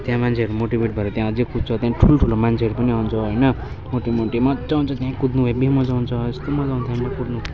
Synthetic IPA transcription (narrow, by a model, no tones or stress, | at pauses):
t̪jãmant͡sʰeʌɾumoʈibeʈ̚bʱʌɾʌt̪jãʌd͡zekʰud͡zt͡sʰʌt̪jãʈʰuloʈʰulomant͡sʰeʌɾupʌniɦawnt͡sʰʌɦʌjnʌ | moʈimoʈimʌd͡zawnt͡sʰʌt̪jãkud̪nubʱoebimʌd͡zaunt͡sʰʌest̪omʌd͡zaunt̪jãmakud̪nu